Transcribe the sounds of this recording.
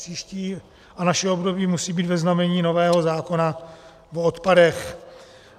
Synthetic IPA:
iːʃciː | ʔanaʃɛobdobiːmusiːbiːt̪vɛznamɛɲiːno̞vɛːɦo̞zaːko̞na | vot̪padɛx

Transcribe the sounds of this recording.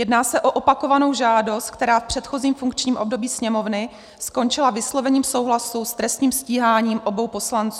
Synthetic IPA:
jɛdnaːsɛʔoʔo̞pako̞vano̞wʒaːdo̞st̪̚k̚t̪ɛɾaːfpr̥ɛt̪xo̞ziːmfuŋkt͡ʃɲiːmʔo̞bdo̞biːsɲɛmo̞vnɪ | sko̞nt͡ʃɪlavɪslo̞vɛɲiːmso̞wɦlasust̪ɾɛst̪ɲiːmsciːɦaːɲiːmʔo̞bo̞wpo̞slant͡suː

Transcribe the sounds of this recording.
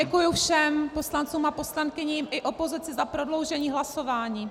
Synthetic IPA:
ɛkujʊfʃɛmpo̞slant͡suːmapo̞slankɪɲiːmʔɪʔo̞po̞zɪt͡sɪzapɾo̞dlo̞wʒɛɲiːɦlaso̞vaːɲiː

